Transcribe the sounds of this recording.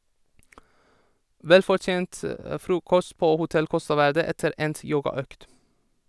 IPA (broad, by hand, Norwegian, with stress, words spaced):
ˈʋɛlfɔɹˌt͡ʃeːnt ə ˈfɾuːkɔst ˈpoː hʊˈtɛl ˈkɔstɑ ˈʋæɹdə ˈɛtəɾ ˈɛnt ˈjoːɡɑˌøːkt